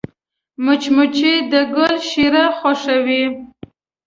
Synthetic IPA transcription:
mʊt͡ʃmʊt͡ʃid̪əɡəlʃiɾaxoʃawi

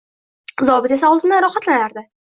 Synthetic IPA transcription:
zɒbɪt̪esaɒlˠt̪ɪnaɾɒhat̪lanaɾd̪ɪ

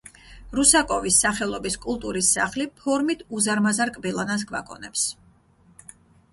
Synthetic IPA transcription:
ɾusakʼɔvisːaχɛlˠɔbiskʼulˠt̪ʼuɾisːaχlipʰɔɾmit̪ʰuzaɾmazaɾkʼbilˠanas̬ɡva̰kʼɔ̰nɛ̰ps

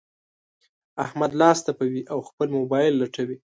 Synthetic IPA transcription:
ahmad̪lɑst̪apawiʔawxpəlmobɑjɪlːaʈawi

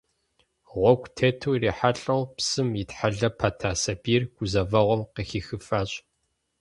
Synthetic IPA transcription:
ʁʷɔɡʷtʰeːtʰuwiriːħaɬʼɐwpsɨmitħaɮɐpʰatʰaːsɐbiːrɡ̥ʷʊzɐvɐʁʷɔmqəxiːxɨfaːɕʼ

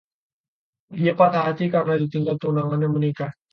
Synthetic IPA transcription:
diapat̪aɦat̪ikarnadit̪iŋɡalt̪uunaŋanjaŋməneka

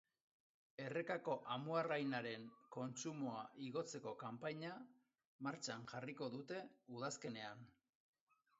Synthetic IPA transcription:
e̞re̞kako̞ʔamuarajnaɾe̞ŋko̞nt͡ʃumoaʔiɣo̞t͡se̞ko̞kampaɲa | maɾt͡ʃanʝariko̞ðut̪e̞uðaske̞ne̞an

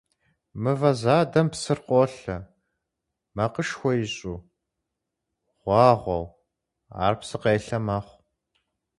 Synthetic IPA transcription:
mɨvɐzaːdɐmpsɨrqʷʼɔɬɐ | mɐqəʂxʷɔjɪɕʼuː | ʁ̥ʷɑːʁʷɔ̰w | a̰ːrpsɨqeːɬɐmɐχʷ

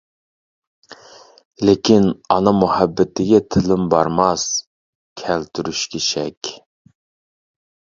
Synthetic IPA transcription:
lekʲinɑnɨmuhæbːɪt̪ʰɪɡʲɛt̪ʰɪlɪmbɑɾmɑs | kʲʰælt̪ʰyɾyʃkʲʰeʃɛkʲ

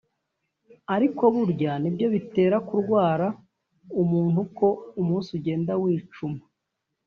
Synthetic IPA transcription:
aɾiko̞βuɾɟanibjo̞βite̞ːɾakuɾɡwaːɾa | umuːnuko̞umuːnsuɟe̞ːndawiːt͡ʃuma

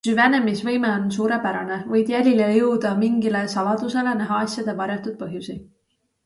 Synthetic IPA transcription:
yvæne̞misvɤ̞jme̞o̞nsuːɾe̞pæɾɑne̞vɤjd̪̥jælʲilejɤwd̪̥ɑmiŋɡile̞sɑlɑd̪̥use̞le̞næɦɑɑsʲjɑd̪̥e̞vɑɾjɑt̪ːˑud̪̥̚pɤɦjusi

